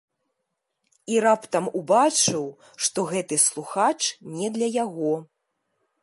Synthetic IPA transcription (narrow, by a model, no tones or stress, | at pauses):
iɾapt̪ɐmubat͡ʂɨw | ʂt̪ɔɣɛt̪ɨslˠuxat͡ʂnʲɛd̪lʲɐjaɣɔ